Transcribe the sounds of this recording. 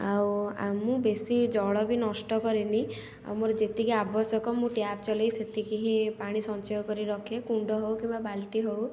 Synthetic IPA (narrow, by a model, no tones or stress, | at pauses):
awa̰mũbesid͡ʒɔɽɔbʱinɔsʈɔkɔɾini | a̰wmuɾd͡ʒet̪ikiabɔsɔkɔmũʈjab̚t͡ʃɔlejset̪ikiɦĩpaɽ̃isɔnt͡ʃɔjɔkɔɾiɾɔkʰekuɳɖɔɦowkĩmbabalʈiɦow